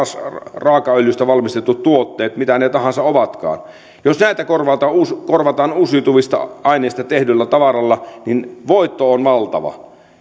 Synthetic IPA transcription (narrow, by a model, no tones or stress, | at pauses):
srɑːkɑøljyst̪æʋɑlmist̪et̪ːut̪t̪uot̪ːeːt̪mit̪ænet̪ɑhɑnsɑoʋɑt̪kɑ̰ːn | josnæˑit̪ækorʋɑt̪ɑuskorʋɑt̪ɑːnusit̪uʋist̪ɑ̰ɑineˑist̪ɑt̪ehdylːæt̪ɑʋɑrɑlːɑninʋoit̪ːoonʋɑlt̪ɑ̰ʋɑ̰